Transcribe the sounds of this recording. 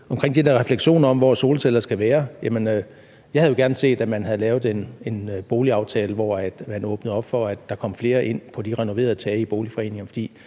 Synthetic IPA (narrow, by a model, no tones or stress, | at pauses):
ɒ̽mkʁeŋ̰d̥id̥æɐʁɛfleɡ̥ɕo̝̰ːnɐɒ̽m̰ʋɒso̝ːləsʰelɐsɡ̥æʋæːɐjæmənø | jɑ̈hæð̩ˠjo̝ɡ̥æɐnəse̝̰ːd̥æmænɦæð̩ˠlɛːʊð̞̩ˠe̝ne̝nb̥o̝ːliɑ̈ʊt͡sʰɛːləʋɒ̰æd̥mænɔ̽ːb̥nəð̩ˠɒ̽b̥fɒ̽æd̥ːɑ̈kʰɒ̽m̰fle̝ːɐʔe̝n̰pʰɒ̽d̥iʁɛno̝ʋe̝̰ːɐð̞ˠt͡sʰɛːib̥o̝ːlifɒ̽e̝̰ːne̝ŋɐfɒ̽d̥ḭː